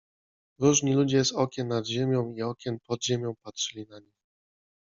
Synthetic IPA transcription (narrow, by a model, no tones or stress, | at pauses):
ɾuʐɲilud͡ʑɛsɔkʲɛnːad̪ʑemʲjɔ̃w̃iɔkʲɛnpɔd̪ʑemʲjɔ̃w̃patʂɘlʲinaɲix